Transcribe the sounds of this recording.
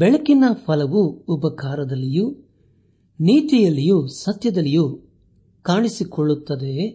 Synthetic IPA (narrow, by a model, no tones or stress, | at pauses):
bɛɭɐkinɐpʰɐlɐʋuːbɐkaːɾɐd̪ɐlːiju | niːt̪ijɐlːijusɐt̪jɐd̪ɐlːiju | kaːɳisikɔɭːut̪ːɐd̪e̞